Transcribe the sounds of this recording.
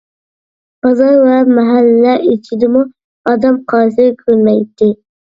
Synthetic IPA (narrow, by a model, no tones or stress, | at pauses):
b̥ɑzɑɾwæmæɦælːæʔit͡ʃʰid̪ɪmu | ɑd̪ɑmqʰɑːsɪɾkʲʰølmæjt̪ːɪ